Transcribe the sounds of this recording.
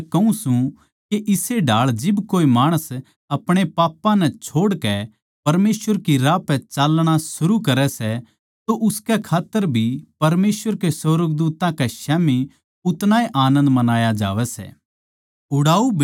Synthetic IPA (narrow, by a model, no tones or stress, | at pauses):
kɐũsũ | keʔɪseɖʱaːɭd͡ʒɪbkoːimaːɽ̃əs | ɐpɽ̃epaːpːãnɛ̃t͡ʃʰoːɽkɛ | pɐɾmeːsʋəɾkiɾaːpɛ̃t͡ʃaːlɽ̃asʊɾukɐɾɛsɛ | t̪oʔʊskɛkʰaːt̪ːəɾbʱipɐɾmeːsʋəɾkesɔɾəɡ̚d̪uːt̪ãkɛʃɛːmi | ʊt̪naːiʔaːnə̃nd̪mɐnaːjad͡ʒa̰ːʋɛsɛ̰ː | ʊɽaːub